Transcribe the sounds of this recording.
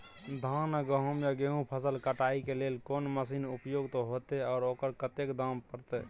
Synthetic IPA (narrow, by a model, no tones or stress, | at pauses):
d̪ʱãnəɡəɦəmjaɡeɦũpʰəsəlkəʈaikelelkoːnməsinupjoɡt̪oɦot̪eɔːɾokəɾkət̪ekd̪ãmpəɾt̪ɛ̰